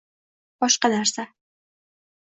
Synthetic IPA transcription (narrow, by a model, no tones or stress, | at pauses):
b̥ɒʃqɑnaɾsa